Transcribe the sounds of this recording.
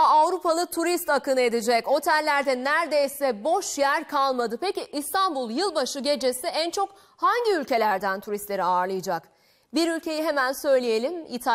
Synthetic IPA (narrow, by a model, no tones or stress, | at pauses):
avɾupalˠɯt̪ʰuɾist̪akɯnɯe̞d̪id͡ʒɛco̞t̪ʰælʲːæɾd̪ɛnæɾd̪e̞jsɛbo̞ʃjæɾkʰalˠmad̪ɯpeciʔːst̪ʰanbulˠjɯlˠbaʃɯɟe̞d͡ʒe̞siʔænt͡ʃʰo̞k | haɲɟiylʲce̞lʲæɾd̪ænt̪ʰuɾist̪lʲe̞ɾiaːɾlˠɯjɯd͡ʒak | biɾylʲcʰe̞jiɦe̞mænsø̞jlʲije̞lʲimḭt̪ʰa